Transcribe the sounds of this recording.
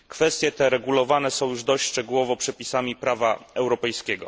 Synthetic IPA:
kfɛst̪ʲjɛt̪ɛɾɛɡulɔvanɛsɔ̃w̃juʐd̪ɔɕʂt͡ʂɛɡuwɔvɔpʂɛpʲisamʲipɾavaɛwɾɔpɛjskʲɛɡɔ̰

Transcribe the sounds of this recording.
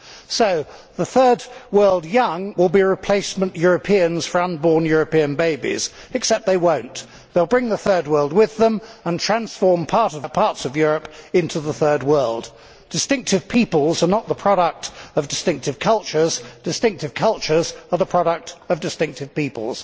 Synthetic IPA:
soʊðəθɜ˞d̚wɜ˞lˠdjʌ̃ŋwɪlˠbiɹɨpʰl̥eɪsmə̃nʔjʊɹɨpʰiɨ̃nz̥fə˞ʌ̃nbɔɹnjʊɹɨpiɨ̃nbeɪbḭz̥ɨksɛp̪̚ðeɪwõʊ̃n | ðeɪlˠbɹɪ̃ŋðəθɜ˞d̚wɜ˞lˠd̚wɪðə̃mə̃ntʰɹ̥æ̃nsfɔɹmpʰɑɹɾʌvpʰɑɹtsʌvjʊɹɨpɪ̃ntʰʉðəθɜ˞d̚wɜ˞lˠd | d̥ɨstɪ̃ŋk̚tɨv̥pʰipəl̩ˠzə˞nət̪̚ðəpʰɹ̥ɑɾək̚tʌvdɨstɪ̃ŋk̚tɨv̥kʰʌlˠt͡ʃə˞zd̥ɨstɪ̃ŋk̚tɨv̥kʰʌlˠt͡ʃə˞zə˞ðəpʰɹ̥ɑɾək̚tʌvdɨstɪ̃ŋk̚tɨv̥pipə̰lˠz̥

